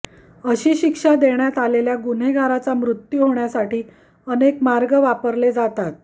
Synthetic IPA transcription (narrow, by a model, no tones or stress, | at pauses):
əɕiːɕikʂad̪eɳjat̪aleljaɡun̤eɡʱaɾat͡samɾut̪juɦoɳjasaʈiː | ənekmaɾɡəʋapəɾled͡zat̪at̪̚